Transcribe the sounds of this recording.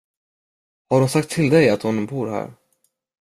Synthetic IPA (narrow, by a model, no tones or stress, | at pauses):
haɖʊnsak̚t̪ʰːɪld̪ɛjat̪hʊnbuːɾɦæ̰ːɾ